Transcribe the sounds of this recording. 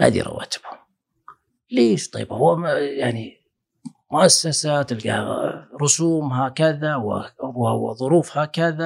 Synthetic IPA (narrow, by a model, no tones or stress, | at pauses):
ha̰ːd̪ḭɾˤɑ̰wa̰ːt̪ɪ̥b̥hʊm | leːʃt̪ˤɑ̰jbhʊwːajaʕni | mʊʔasːasaːt̪ɪlɡa̰ɾˤʊsuːmɦakɪðaw̰whwːaðˤʊɾuːfhaːkɪða